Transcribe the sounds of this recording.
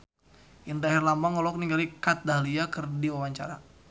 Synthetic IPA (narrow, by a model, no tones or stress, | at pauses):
ʔindaɦɛrlamaŋɔlɔk̚niŋɡalikat̪̚daliakərdiwawaɲt͡ʃa̰ɾa